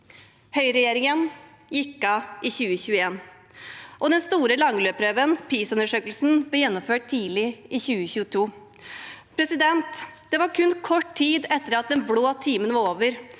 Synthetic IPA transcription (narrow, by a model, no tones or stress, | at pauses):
hœʏɾɛjeːɾɪŋən | jɪkːɑʔɪçʉːəçʉːəeːn | ʔɔd̪ɛnst̪uːɾəlɑŋløːpʰɾøːʋənpʰiːsʉnəʂøːkəlsn̩blɛːjɛnːɔmføːʈ̚t̪ʰiːdlɪʔɪçʉːəçʉːət̪ʰuː | pʰɾɛsɪd̪ɛnt̪d̪̥ɛʋɑɾkʰʉnkʰɔʈt̪ʰiːd̪ɛt̪ːəɾɑt̪̚d̪ɛnbloːt̪ʰiːmənəʋɑɾoːʋəɾ